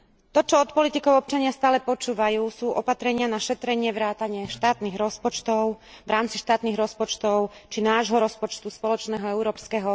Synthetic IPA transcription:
t̪ɔt͡ʃɔɔt̪pɔlit̪ikɔʊɔp̚t͡ʃaɲɪast̪aːlɛpɔt͡ʃuːʋajuːsuːʔɔpat̪ɾɛɲɪanaʃɛt̪ɾɛɲɪɛʋɾaːt̪aɲɪɛʃt̪aːt̪niɣɾɔspɔt͡ʃt̪ɔʊ | ʋɾaːmt͡siʃt̪aːt̪niɣɾɔspɔt͡ʃt̪ɔʊt͡ʃinaːʒɦɔɾɔspɔt͡ʃt̪uspɔlɔt͡ʃnɛːɦɔɛʊɾɔːpskɛɦɔ

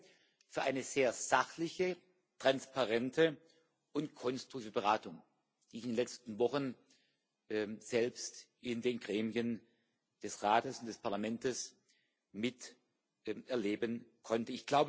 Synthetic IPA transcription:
fyːɐʔaɪnəz̥eːɐz̥aχlɪçə | tʁ̥anspaʁɛntʰə | ʊntkʰɔnstʁ̥ʊ̥iːvəbəʁaːtʊŋ | d̥iːɪçɪndenlɛt͡stn̩vɔχən | z̥ɛlpstʔɪndeːnɡʁɛːmiən | d̥ɛsʁaːtəsʊntd̥ɛspʰaɐlamɛntəs | mɪt | ʔɛɐleːbənkʰɔntəɪçɡ̥laʊbə

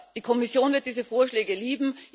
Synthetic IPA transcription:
d̥iːkʰɔmɪsjoːnvɪɐt̚d̥iːzəfoːɐʃlɛːɡəliːbm̩

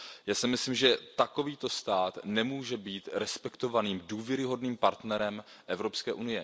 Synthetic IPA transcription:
jaːsɪmɪsliːmʒɛt̪ako̞viːt̪o̞st̪aːt̪nɛmuːʒɛbiːt̪ɾɛspɛkt̪o̞vaniːmduːvjɛɾɪɦo̞dniːmpaɾt̪nɛɾɛm | ʔɛvɾo̞pskɛːʔunɪjɛ

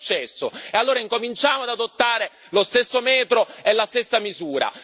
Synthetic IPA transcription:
t͡ʃːɛsːoealːoːɾaiŋkomint͡ʃaːmoad̪ad̪ot̪ːaːɾe | lost̪esːomɛːt̪ɾoelːast̪esːamizuːɾa̰

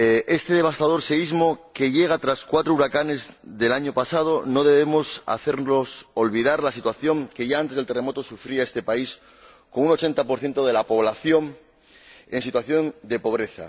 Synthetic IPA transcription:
e̞st̪e̞ðe̞β̞ast̪að̞o̞ɾseizmo̞ke̞ʝe̞ɣ̞at̪ɾaskwat̪ɾouɾakane̞zðe̞laɲo̞pasað̞o̞no̞ðe̞β̞e̞mo̞sa̰θe̞ɾnosolβiðaɾlasit̪waθjo̞ŋke̞ʝaant̪ezðelt̪eremo̞t̪o̞sufɾiae̞st̪e̞pais | ko̞ŋuno̞t͡ʃe̞nt̪apo̞ɾθje̞nt̪o̞ð̞e̞lapo̞β̞laθjo̞ŋ | e̞nsit̪waθjo̞nd̪e̞po̞β̞ɾe̞θa̰

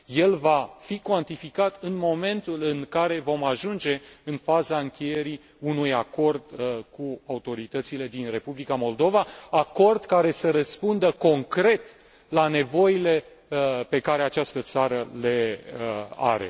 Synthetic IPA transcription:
je̞lvafikwant̪ifikat̪ɨnmo̞me̞nt̪ulɨŋkaɾe̞vo̞maʒund͡ʒe̞ɨnfazaɨŋkʲe̞je̞ɾi | unujako̞rd̪kuaut̪o̞ɾit̪ət̪sile̞d̪inre̞publikamo̞ld̪o̞vaako̞rd̪kaɾe̞səɾəspund̪əko̞ŋkɾe̞t̪ | lane̞vo̞jile̞ | pe̞kaɾe̞at͡ʃast̪ət̪saɾəle̞əa̰ɾe̞̰

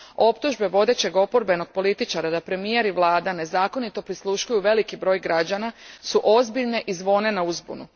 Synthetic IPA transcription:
o̞pt̪uʒbe̞ʋo̞d̪e̞t͡ɕe̞ɡo̞po̞ɾbe̞no̞ɡ̥̚po̞lit̪it͡ʃaɾad̪apɾe̞mije̞ɾiʋlˠaːd̪ane̞zaːko̞nit̪o̞pɾislˠuʃkujuʋe̞likibɾo̞ːjɡɾad͡ʑanasuʔo̞zbiʎne̞ʔizʋo̞ːne̞nauzbṵnu

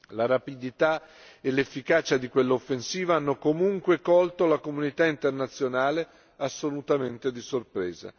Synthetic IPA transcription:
laɾapid̪it̪a | elefːikaːt͡ʃad̪ikwelːaofːensiːvaanːokomuŋkwekɔlt̪olakomunit̪aint̪ernat̪sːjonaːle | asːolut̪ament̪ed̪isorpɾɛ̰ːza̰

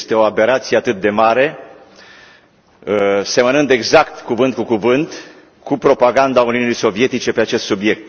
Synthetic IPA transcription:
st̪e̞o̞abe̞ɾat̪sijeat̪ɨt̪̚d̪e̞maɾe̞ | se̞mənɨnd̪e̞ɡzakt̪kuvɨnt̪kukuvɨnt̪ | kupɾo̞paɡand̪auniunijso̞vie̞t̪it͡ʃe̞pe̞at͡ʃe̞st̪subie̞k̚t̪̚

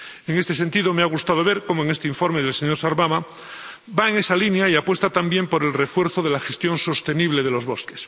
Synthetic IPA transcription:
eŋe̞st̪e̞sent̪iðo̞meaɣ̞ust̪aðo̞β̞e̞ɾkomoeŋest̪eiɱfo̞ɾmeðelseɲo̞ɾsaɾβama | baeŋe̞salinjaiapwe̞st̪at̪ambje̞mpo̞ɾe̞lre̞fwe̞ɾθoðelaxest̪jo̞nso̞st̪e̞niβ̞le̞ðelo̞zβo̞ske̥s

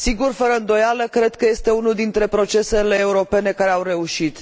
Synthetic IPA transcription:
siɡurfəɾəɨnd̪o̞jaləkɾe̞d̪kəje̞st̪e̞unuld̪int̪ɾe̞pɾo̞t͡ʃe̞se̞le̞ːuɾo̞pe̞ne̞kaɾe̞awre̞uʃit̪

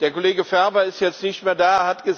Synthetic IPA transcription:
d̥eːɐkoleːɡəfɛɐbɐɪstjɛt͡stnɪçtmeːɐdaːhatɡ̥ə

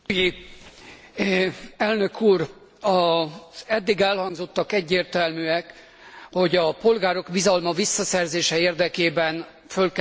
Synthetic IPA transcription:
ɛlnø̞kʰuːr | ɒzɛd̪ːiɡɛlhɒŋɡzo̞t̪ːɒkɛɟːeːrt̪ɛlmyɛk | ho̞ɟɒpo̞lɡaːɾo̞kbizɒlmɒvisːɒsɛrzeːʃɛeːrd̪ɛkeːbɛn | følk

